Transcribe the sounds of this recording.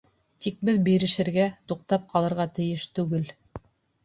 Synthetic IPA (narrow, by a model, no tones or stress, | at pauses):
t̪ik̚bɘðbiɾɘ̆ʃɘ̆ɾɡæt̪uq̚t̪ɑp̚qʰɑlˠɤ̆ɾʁɑt̪ɘ̆jɘʃt̪ʉɡɘl